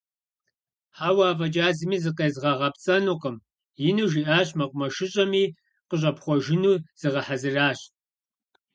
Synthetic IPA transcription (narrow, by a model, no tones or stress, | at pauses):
ħaːwaːvɐt͡ʃʼaːzɨmiːzɨqeːzʁɐʁɐpt͡sʼɐnuːqəm | jɪnuːʒiʔaːɕmɐqʷʼʊmɐʃɪɕʼɐmiː | qəɕ̬ʼɐpχʷɔʒɪnuːz̥ɨʁɐħazɨraːɕ